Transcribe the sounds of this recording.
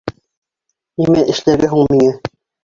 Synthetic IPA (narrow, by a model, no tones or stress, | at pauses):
imæʔɘ̆ʃlæɾɡæɦuɴmiŋæ